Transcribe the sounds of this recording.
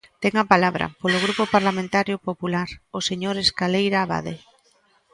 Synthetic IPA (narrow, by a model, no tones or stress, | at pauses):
t̪ɛŋapalaβ̞ɾa̰polʊɣ̞ɾupopaɾlamẽnt̪aɾjopopulaɾoseɲoɾeskalejɾaβa̰ðe